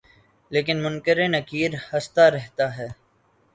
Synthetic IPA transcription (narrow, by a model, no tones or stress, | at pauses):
leːk̬ɪnmʊnkəɾenɐkiːɾhɐst̪aɾɛɦt̪aɦɛː